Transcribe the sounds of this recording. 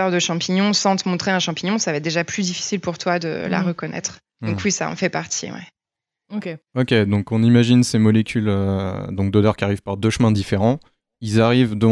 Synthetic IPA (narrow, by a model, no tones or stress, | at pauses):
œʁd̪əʃɑ̃piɲɔ̃sɑ̃t̪əmɔ̃t̪χeɛ̃ʃɑ̃piɲɔ̃savaɛt̪̚d̪eʒaplyd̪ifi̥silpuʁt̪wad̪ə̰la̰ʁəkɔnɛ̰t̪χ | d̪̥ɔ̃kwisa̰ɔ̰̃fɛpaʁt̪ʰḭwɛ̰ | keɔkʲed̪ɔ̃kɔ̃nimaʒinsemɔlekʲylød̪ɔ̃k̚d̪od̪œʁkʲiaʁiv̥paʁd̪øʃmɛ̃d̪ifeʁɑ̃ | ilzaʁivd̪ə